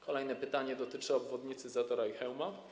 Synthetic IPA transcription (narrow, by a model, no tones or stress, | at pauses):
kɔlɛjnɛpɘt̪aɲɛd̪ɔt̪ɘt͡ʂɘɔbvɔd̪ɲit̪sɘzat̪ɔɾaixɛwma